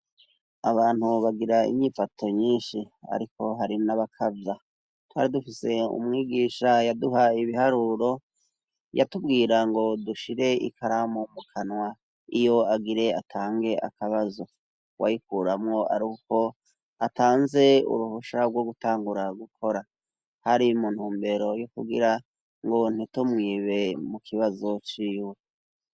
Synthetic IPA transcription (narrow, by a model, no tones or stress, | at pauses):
aβaːn̥huβaɡiɾaḭɲɲiːfatʰo̞ɲiːnʃi | a̰ɾiko̞ɦaɾinaβakʰavja | twa̰ɾidufise̞ṵmŋiːɡiːʃajaduɦaiβihaɾuːɾo̞ | ja̰tub̚ɡiːɾaŋɡo̞duʃiɾe̞ḭkʰaɾamumukʰanwa | ijo̞aɡiɾe̞atʰaːŋɡe̞ʔa̰kaβazo̞ | wʔa̰jikuɾamŋo̞ʔa̰ɾiko̞ | ataːnze̞ṵɾuhoʃabɡwo̞ɡutaːŋɡuɾaɡukʰo̞ɾa | haɾimun̥huːmbe̞ɾo̞jokṵɡḭɾa | ŋɡon̥itumŋiːβe̞mukʰiβazo̞t͡ʃiːwe̞